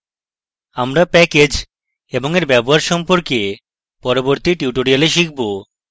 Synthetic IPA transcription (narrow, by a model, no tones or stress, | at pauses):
amɾapɛked͡ʑ | eboŋeɾbɛboɦaɾʃɔmpoɾke | pɔɾoboɾt̪iʈiuʈoɾialeʃik̚ʰbo